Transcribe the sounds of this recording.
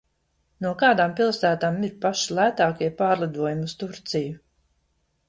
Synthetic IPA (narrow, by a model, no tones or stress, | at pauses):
nuɔkaːd̪aːmpilˠsæːt̪aːmiɾpaʃilˠæːt̪aːkiɛpaːɾlˠid̪uɔjumust̪uɾt̪siju